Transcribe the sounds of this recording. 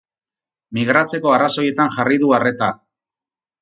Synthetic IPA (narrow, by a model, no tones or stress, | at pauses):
miɣɾat͡se̞ko̞araso̞je̞t̪aŋʝariðuare̞t̪a